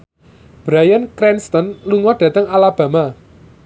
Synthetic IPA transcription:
b̥ɾajankɾɛnst̪ɔnluŋɔɖ̥ä̤t̪əŋalab̥ä̤ma

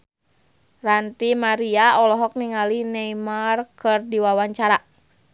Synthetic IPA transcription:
rant̪imaɾiaɔlɔɦɔk̚niŋalinɛimarkɨrdiwawaɲt͡ʃaɾa

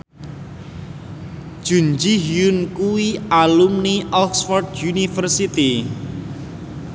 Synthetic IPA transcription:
ʒ̥ṳnd͡ʒiɦiunkuwialumniʔɔksfɔrdjunifərsit̪i

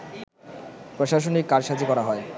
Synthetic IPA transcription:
pɾoʃaʃ̬onikːaɾʃad͡ʑikɔɾaɦɔe

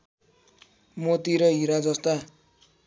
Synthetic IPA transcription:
mot̪iɾʌɦiɾad͡zʌst̪a

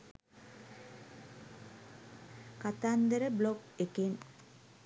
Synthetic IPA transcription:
kat̪and̪əɾəblokeken

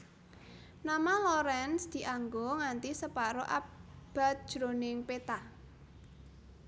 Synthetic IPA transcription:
namalɔɾɛnsd̪̥i̤ʔaŋɡoŋant̪isəpaɾoʔab̥a̤t̪̚d̥ʒ̥ɾonɪŋpet̪a

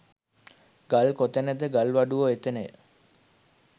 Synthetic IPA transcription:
ɡalkot̪enəd̪əɡalʋaɖuoet̪enej

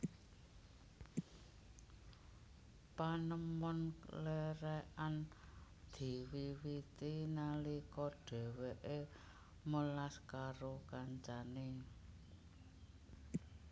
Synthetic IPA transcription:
panəmɔnleɾɛʔan | d̪̥i̤wiwit̪inalikɔɖ̥ɛ̤weʔe | məlaskaɾokaɲt͡ʃane

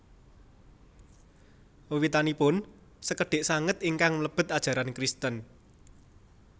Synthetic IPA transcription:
wit̪anipʊn | səkəɖ̥e̤ʔsaŋət̪iŋkaŋləb̥ə̤t̪̚ad̥ʒ̥a̤ɾankɾist̪ən

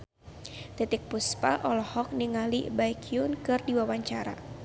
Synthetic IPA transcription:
t̪it̪ik̚puspa̰ʔɔlɔhɔk̚niŋalibaikʰiunkɨrdiwawaɲt͡ʃaɾa̰

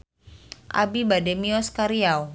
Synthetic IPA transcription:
ʔa̰bibadɛmiɔskaɾiaw

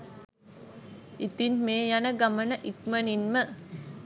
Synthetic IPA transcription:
it̪inmeːjanəɡamənəʔikməninmə

